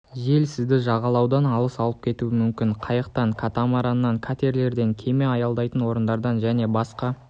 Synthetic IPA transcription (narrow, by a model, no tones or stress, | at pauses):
ʒe̞lsɪzd̪ɪʒɑʁɑlˠɑwd̪ɑnɑlˠəsɑlˠəp̚kʲʰe̞t̪uɪmʏmkʲɪɴqʰɑjəq̚t̪ɑŋkʰat̪amɑɾɑnːɑŋkʰat̪eɾle̞ɾd̪e̞ŋkʲʰe̞me̞ɑjɑlˠd̪ɑjt̪ənwo̞ɾənd̪ɑɾd̪ɑnʒæne̞bɑsqɑ